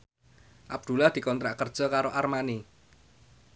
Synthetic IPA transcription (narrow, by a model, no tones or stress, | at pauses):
ʔab̚d̪̥ṳlahd̪̥i̤kɔnt̪ɾaʔkərd̥ʒ̥ɔ̤kaɾoʔarmani